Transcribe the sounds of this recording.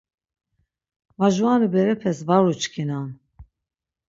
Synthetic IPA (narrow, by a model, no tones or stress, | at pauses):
vaʒuanibɛɾɛpʰɛsvaɾut͡ʃʰkʰinan